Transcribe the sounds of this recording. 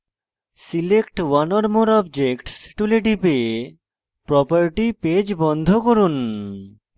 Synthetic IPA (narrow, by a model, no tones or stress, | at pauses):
silekʈwanɔɾmoɾɔbd͡ʑekʈsʈuleʈipe | pɾɔpaɾʈiped͡ʑbɔnd̪ʱokoɾun